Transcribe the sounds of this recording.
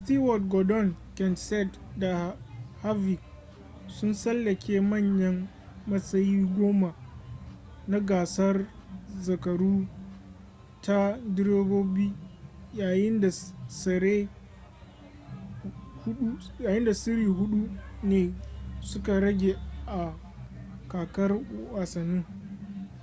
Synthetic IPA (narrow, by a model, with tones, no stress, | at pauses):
sti˦wɔ˨dɡɔ˨dɔ˦˨nkʲɛ˨nsɛ˦t | da˨ha˦vi˨k | sʊ˦nsɐ˦lːɐ˨kʲʰeː˦mɐ˦˨ɲjɐ˦mː | ɐ˦sɐ˦jiː˦ɡʷoː˦ma˨ | na˦ɡaː˨sɐ˦rzɐ˨kɐ˨ɽuː˦ | ta˦dɪ˦ɾeː˦boː˦biː˦jaː˨jɪ˦nda˨sɐ˨ɾeː˦ | hʊ˦ɗu˦jaː˨jɪ˦nda˨sɪ˦ɾiː˨ɦʊ˦ɗu˦neː˨sʊ˦ka˨ɽɐ˦ɡʲeː˨ʔa˨ | kaː˨kɐ˦rwaː˨sɐ˨nɪ˦ŋ